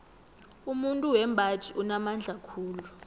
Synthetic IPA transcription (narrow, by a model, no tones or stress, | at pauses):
umuntʼuwɛmbʱatʼiʔunamand͡ɮʱakʰuːlu